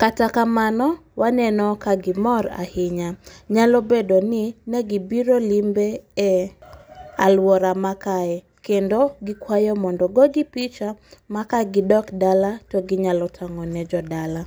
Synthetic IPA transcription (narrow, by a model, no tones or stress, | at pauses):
katakamanɔwanɛnɔkaɡɪmɔɾa̰hɪɲaɲalɔbedonɪnɛɡibiɾolimbeɛ | alwɔɾamakaɛ | kendoɡɪkwajɔmɔndɔɡɔɡɪpit͡ʃamakaɡɪdɔkdalatɔɡɪɲalɔtʰaŋɔnɛd͡ʒɔdala